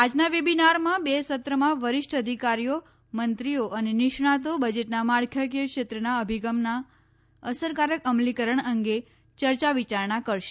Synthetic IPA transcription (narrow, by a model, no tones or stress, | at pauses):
ad͡ʒnaʋebinaɾmãbesət̪ɾəmãʋəɾɪʃʈəd̪ʱikaɾijo | mənt̪ɾijoʔənenɪʃɳ̃ãt̪obəd͡ʒeʈnamaɽkʰjəkəkʃet̪ɾənaəbʱiɡəmna | əsəɾkaɾəkəmlikəɾəɳəŋɡe | t͡ʃəɾt͡ʃaʋit͡ʃaɾɳakəɾʃe̥